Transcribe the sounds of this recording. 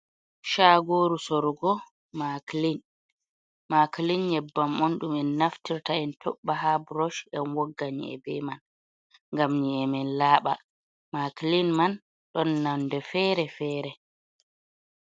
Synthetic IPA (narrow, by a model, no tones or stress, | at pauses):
ʃaːɡoːɾusɔɾɡɔ | maklin | maklinɲɛbːamonɗumɛnːaftiɾtaɛntʰɔ̰ɓːaɦabɾɔʃʔɛnwɔɡːaɲḭɛ̰bɛ̰man | ŋɡamɲiɛmɛnlaːɓa̰ | maklinman | ɗɔnːandɛfɛːɾɛfɛːɾɛ